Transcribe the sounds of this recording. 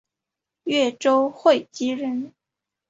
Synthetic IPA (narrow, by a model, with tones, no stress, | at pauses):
ɥɛ˥˩ʈ͡ʂo˥ʊxwe˥˩ɪt͡ɕi˥ɻə˧˥n